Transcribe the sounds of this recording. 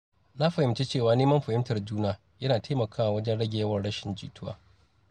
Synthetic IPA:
na˦ɸɐ˨hɪ˨mt͡ʃe˦t͡ʃeː˦˨waː˨neː˦mɐ˦mɸɐ˨ɪ˦mtɐ˨rd͡ʒuː˦naː˦ | jɐ˦naː˨tʰa˦mɐ˨kʰaː˦wa˨wɐ˦d͡ʒɛ˦nɽɐ˦ɡʲe˨jɐ˦wɐ˨rɽɐ˦ʃɪ˨nd͡ʒḭː˨tʰʊ˦wa̰ː˦

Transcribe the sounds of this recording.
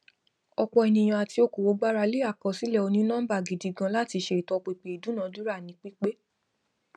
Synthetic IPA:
ɔ˧k͡pɔ˧ɛ˧˨nĩ˧j̃ã˧a˨ti˧o˧ko˨wo˨˧˦ɡ͡ba˦ɾa˧le˦a˦˨kɔ˨˧˦si˨˦lɛ˦˨o˧nĩ˦nã˦ba˦˨ɡi˨di˨ɡã˧˦la˦˨ti˧ʃe˧˨i˨tɔ˧k͡pe˧˨k͡pe˨i˨du˨˦nã˨˦du˦ɾa˦˨nĩ˨˦k͡pi˦k͡pe˦

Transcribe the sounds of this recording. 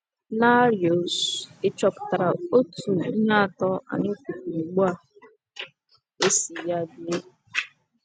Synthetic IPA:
na˦ɾjo˨sɪ˦t͡ʃɔ˨pʊ̥˨ta˨ɾa˨o˦tu˨i˦na˦˨tɔ˦ʔa̰˨nɪ˦ku˨ku˨ŋ͡m̩˨ɡ͡ba˦˨ | e˦si˨ja˦bi˨e˦

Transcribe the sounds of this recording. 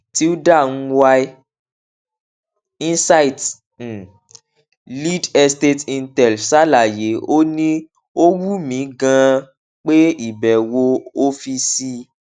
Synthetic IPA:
ti˦u˦da˦˨ñ̩˦wa˧i˦ | ĩ˦sa˦i˨t̩˨ | li˦dɛ˧ste˦tĩ˧ntɛ˨lsa˦la˦˨je˨˦o˦nĩ˦ | o˦wu˦mĩ˨˦ɡã˧ | k͡pe˦i˦˨bɛ˨wo˧o˦fi˧si˦

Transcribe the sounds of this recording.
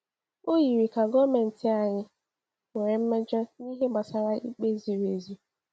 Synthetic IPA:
o˦ji˨ɾi˨ka˨ɡɔ˦me˨n̩˨ti˨a˨ɲɪ˦ | ŋʷe˨ɾe˨m̩˦me˦d͡ʒɔ˦ni˦ɦe˦ma˨sa˨ɾa˦ʔḭ˦k͡pe˦zi˨ɾe˨zi˦

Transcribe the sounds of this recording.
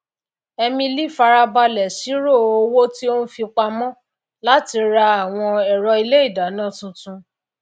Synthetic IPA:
ɛ˧mĩ˧li˦˨fa˧ɾa˧ba˧lɛ˨si˨˦ɾo˦˨o˧wo˦ti˦o˦nũ˦fi˧k͡pa˧mɔ̃˦ | la˦ti˧ɾa˧a˦˨w̃ɔ̃˧ɛ˨ɾɔ˧i˧le˦i˦˨da˨˦nãː˦˨tũ˧tũ˧

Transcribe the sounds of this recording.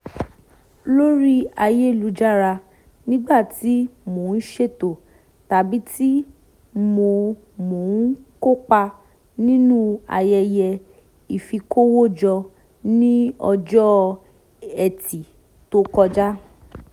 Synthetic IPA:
lo˦ɾi˦a˧je˦˨lu˨˧˦d͡ʒa˦ɾa˧ | nĩ˦ɡ͡ba˦˨ti˨˦mo˨n̩˦ʃe˦˨to˨ | ta˨bi˦ti˦ | mo˧ | mo˨˦n̩˦ko˦k͡pa˧ | nĩ˦nũ˦a̰˧jɛ˧jɛ˧ | i˨fi˧kʰo˦wo˦˨d͡ʒɔ˧ | nĩ˦ɔ˧d͡ʒɔ˦ | ɛ˨ti˨ | to˦kɔ˧d͡ʒa˦

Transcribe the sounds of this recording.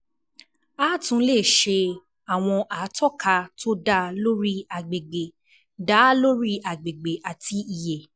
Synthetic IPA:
aː˦tũ˨˧˦le˦˨ʃe˧ | a˨w̃ɔ̃˧ʔa˨˦tɔ˦˨ka˧tʰo˦da˦˧lo˦ɾi˦a˨ɡ͡be˨ɡ͡be˨ | da˨˦lo˦ɾi˦a˨ɡ͡be˨ɡ͡be˨ʔa˨tʰi˨˦i˨je˨

